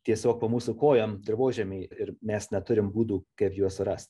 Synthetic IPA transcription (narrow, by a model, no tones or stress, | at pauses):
t̪ʲiɛsʲoːk̚pɐːmuːsʊkoːjomd̪ʲɪɾʋoːʒʲɛmʲɛɪɪɾmʲɛsnʲɛt̪ʊɾʲɪmbuːd̪uːkɐɪpjuɔsʊɾɐst̪